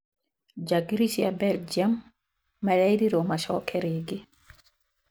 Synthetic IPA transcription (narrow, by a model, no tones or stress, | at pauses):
d͡ʒaɡiɾit͡ʃiabɛld͡ʒamː | alajɾiɾɔmaʃɔ̰kʰɛɾeɡi